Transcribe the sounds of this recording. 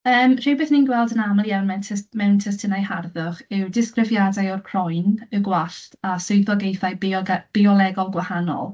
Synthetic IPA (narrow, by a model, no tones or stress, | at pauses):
əːmr̥ibeːθninɡwɛlˠdənamalˠjawnmɛwtʰɛsmɛwntʰəstʰənajharðʊχɪwdɪskrɪvjadajɔrkʰrɔjnəɡwaɬtasʊjθɔɡejθajbɔɡb̥iɔlˠɛɡɔlˠɡwahanɔ̰lˠ